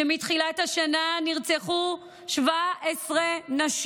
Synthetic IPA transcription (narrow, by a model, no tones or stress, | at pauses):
emitχilaetaʃananiʁt͡seχu | ʃvaesʁenaʃ